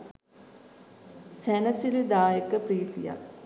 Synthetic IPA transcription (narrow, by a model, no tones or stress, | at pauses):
sɛnɐsilid̪aːjəkəpɾiːt̪ija̰